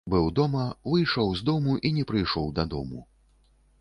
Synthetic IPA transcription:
bɨwd̪ɔmɐvɨjʂɔwzd̪ɔmuʔinʲɛpɾɨjʂɔwd̪ɐd̪ɔ̰mu

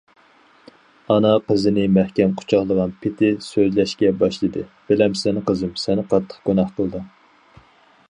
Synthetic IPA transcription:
ɑnɑqʰəzɨnɪmæhkʲɛnqʰʊ̥t͡ʃʰɑχlˠəʁɑnpʰɪt̪ʰɪsøzlɛʃkʲɛbɑʃlˠɨd̪ɨb̥ɪlɛmsɛnɪqəzɨmsɛnɪqʰɑt̪ʰːə̥χɡ̥unɑχqʰəlˠd̪ɨ

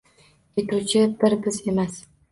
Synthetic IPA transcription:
jet̪ɾut͡ʃʰɪbɪɾbɪze̞mas

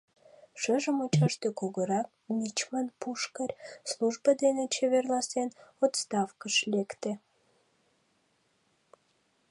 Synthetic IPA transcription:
ʃəʒəmot͡ɕɑʃt̪okoɣəɾɑk̚nʲit͡ɕmənpuʃkərʲslˠuʒbəd̪enet͡ɕeβerlˠɑsenot̪st̪ɑfkəʃlʲekt̪e

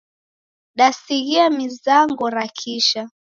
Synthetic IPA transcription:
ɗasiɣiamizaŋɡɔɾakʰiʃa

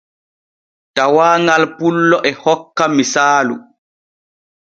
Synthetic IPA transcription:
tawaːŋɡalpulːɔʔɛhɔkːamisaːlṵ

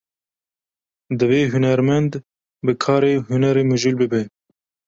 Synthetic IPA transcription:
d̪ɨveːɦunɛɾmɛnd̪ | bɨkʰɑːɾeːɦunɛɾeːmuʒulbɨbɛ

